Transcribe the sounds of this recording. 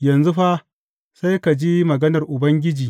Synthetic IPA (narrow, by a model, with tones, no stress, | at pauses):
jɐ˨nzu˦ɸa˦ʔ | sa˦jka˨d͡ʒi˦mɐ˨ɡɐ˦nɐ˨rʔʊ˨bɐ˦ŋɡʲɪ˦d͡ʒiː˨